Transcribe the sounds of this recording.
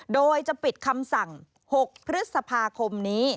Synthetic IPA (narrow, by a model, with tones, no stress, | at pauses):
doː˧jt͡ɕa˨˩pi˨˩t̪̚kʰa˧msa˨˩ŋ | ho˨˩k̚pʰɾɯ˦˥t̪̚sa˧pʰaː˧kʰo˧mniː˦˥